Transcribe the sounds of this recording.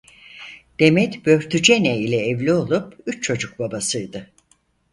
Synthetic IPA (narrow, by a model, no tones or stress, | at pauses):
d̪̥e̞mɛt̪bø̞ɾt̪ʰyd͡ʒenɛilʲɛːvlʲio̞lˠupyt͡ʃt͡ʃʰo̞d͡ʒuk̚babasɯjd̪ɯ